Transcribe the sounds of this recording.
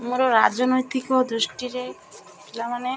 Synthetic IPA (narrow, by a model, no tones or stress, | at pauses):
muɾoɾad͡ʒonojt̪ikod̪ɾuʃʈiɾe | kilamane